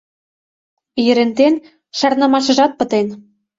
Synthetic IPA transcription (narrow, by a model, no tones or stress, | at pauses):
jə̆ɾent̪en | ʃɑrnɑmɑʃɤ̆ʒɑt̪̚pə̆t̪en